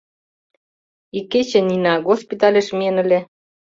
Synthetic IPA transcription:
ikːet͡ɕĕninɑɣospʲit̪ɑlʲeʃmienə̆lʲe

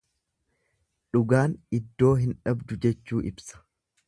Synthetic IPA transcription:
ᶑʊɡaːnɪd̪ːo̞ːɦɪnᶑɐbd̪ʊd͡ʒɛt͡ʃːuːʔɪbsɐ̥

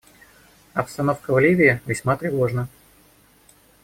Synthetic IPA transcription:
ɐpst̪ɐno̞fkəvlʲivʲɪɪvʲɪsʲmat̪ɾʲɪvo̞ʐnə

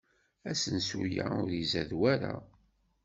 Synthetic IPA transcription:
æsənsujaʊɾizæðwæɾa

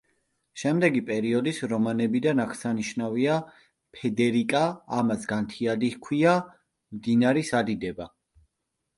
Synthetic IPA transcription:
ʃɛmd̪ɛɡipʼɛɾiɔd̪isɾɔmanɛbid̪anakʰsaniʃnavia | pʰɛd̪ɛɾikʼaːmasɡant̪ʰiad̪ikʰwia | md̪inaɾisad̪id̪ɛba

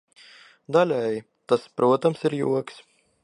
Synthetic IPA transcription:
d̪alʲɛj | t̪aspɾuɔt̪amsiɾjṵɔks

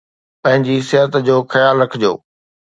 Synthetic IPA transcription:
pɐ̃ɦɪ̃ɲd͡ʑisɪɦət̪d͡ʑoːxɐjaːlɾɐkʰɪd͡ʑo̰ː

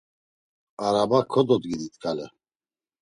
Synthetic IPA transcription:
aɾabakʰːɔd̪ɔd̪ɡid̪it̪ʰkʰalɛ

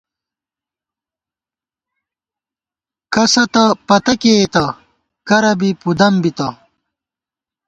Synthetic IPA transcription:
kɐsɐt̪ɐpɐt̪ɐket̪ɐ | kɐɾɐbipud̪ɐmbit̪ɐ

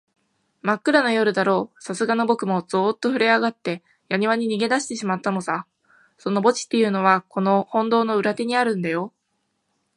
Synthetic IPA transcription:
makːɯ̟ɾano̞jo̞ɾɯ̟d̪aɾo̞ːsasɨɡano̞bo̞kɯ̟mo̞zoːt̪ːo̞ɸɯ̟ɾe̞aɡat̪ːe̞ | jaɲ̟iβaɲ̟iɲ̟iɡe̞d̪aɕi̥t̪e̞ɕimat̪ːano̞sa | so̞no̞bo̞t͡ɕi̥t̪ːe̞jɯ̟ːno̞βako̞no̞hõ̞nd̪o̞ːno̞ɯ̟ɾat̪e̞ɲ̟iaɾɯ̟̃nd̪ajo̞

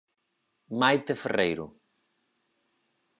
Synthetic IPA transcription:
majt̪eferejɾʊ̰

